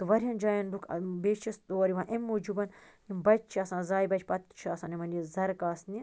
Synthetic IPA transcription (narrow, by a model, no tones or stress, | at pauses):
t̪ɨʋɐɾiɦɐnd͡ʒaːjɐndukʰbeːt͡ʃʰist̪oːɐɾiʋãːʔemːoːd͡ʒubɐn | nimbɐt͡ʃ̚ʲt͡ʃʰiɐsãːzaːjibɐt͡ʃʰpɐt̪t͡ʃʰiasãːnimɐnizɐɾkaːsni